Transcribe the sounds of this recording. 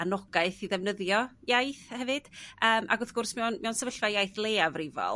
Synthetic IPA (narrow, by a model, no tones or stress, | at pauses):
anɔɡ̥aɨθiðɛvnəðjɔjajθhɛvɨd̥əːmʔa̰ɡɔθɡʊrsmɛwnmɛwnsɛvəɬvajajθlˠeːavrivɔ̰l